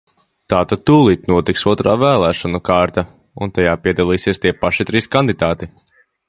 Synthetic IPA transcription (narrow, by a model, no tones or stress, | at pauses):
t̪aːt̪ad̪̚t̪uːlˠiːt̪nuɔt̪iksuɔt̪ɾaːvæːlˠæːʃɔnukaːɾt̪a | ṵnt̪ajaːpiɛd̪alˠiːsiɛst̪iɛpaʃit̪ɾiːskand̪id̪aːt̪i